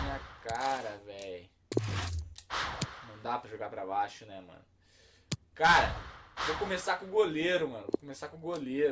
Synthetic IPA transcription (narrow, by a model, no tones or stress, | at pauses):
mĩɲɐkaɾɐvɛj | nɐ̃w̃d̪apɾɐʒoɡapɾabaʃʊnɛmɐ̰̃nʊ | kaɾɐ̰vokõmesakõɡoleɾʊmɐ̃nʊvokomesakõɡoleɾ